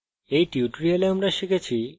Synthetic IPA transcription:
ejʈiuʈɾialeamɾaʃikʰet͡ɕʰi

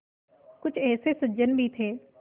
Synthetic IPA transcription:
kʊt͡ʃʰɛːseːsəd͡ʒənbʱiːt̪ʰeː

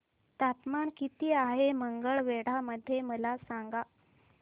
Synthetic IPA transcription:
t̪at̪maɳkit̪iːaɦeməŋɡəɭʋeɽ̤aməd̪ʱːjeməlasaŋɡa

